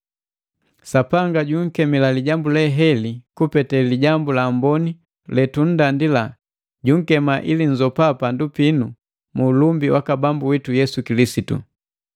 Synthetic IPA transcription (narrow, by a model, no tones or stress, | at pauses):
sapaŋɡaɟuŋ̩kɛmilaliɟambulɛɦɛlikupɛtɛliɟambulambɔni | lɛtun̩dandila | ɟuŋ̩kɛmaʔiliɲd͡ʒɔpapandupinu | muːlumbiwakabambuwitujɛsukilisitṵ